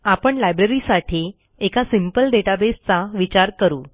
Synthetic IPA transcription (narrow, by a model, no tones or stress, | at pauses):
apəɳlajbɾəɾisaʈʰi | ekasimpəlɖeʈabest͡saʋit͡ɕaɾkəɾuː